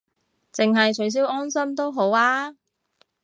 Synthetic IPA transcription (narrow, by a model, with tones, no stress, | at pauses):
t͡sɪ˨ŋɦɐ˨jt͡ʃʰɵ˨˥js̬iː˨˥wɔː˥nsɐ˥mt̪o˥wɦo˨˥waː˥